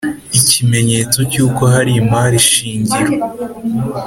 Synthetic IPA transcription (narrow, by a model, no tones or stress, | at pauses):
icʰime̞ɲe̞ːt͡so̞cuːko̞ɦaɾimaːɾiʃiːɲɟiɾo